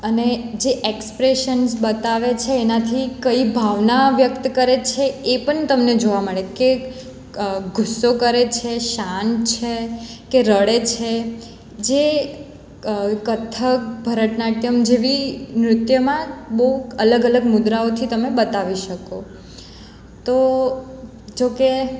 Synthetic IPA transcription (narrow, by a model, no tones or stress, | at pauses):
əned͡ʒeʔekspɾeʃənsbət̪aʋet͡ʃʰeːnat̪ʰikəibʱaʋnaʋjəkt̪kəɾet͡ʃʰeepəɳt̪əmned͡ʒoʋaməɭeke | ɡʱʊsːokəɾet͡ʃʰeʃant͡ʃʰekeɾəɽet͡ʃʰe | d͡ʒe | kət̪ʰək̚bʱəɾəʈnaʈjəmd͡ʒeʋimɾʊt̪jəmãbəɦuələɡələɡmʊd̪ɾaot̪ʰit̪əmebət̪aʋiʃəko | t̪o | d͡ʒoke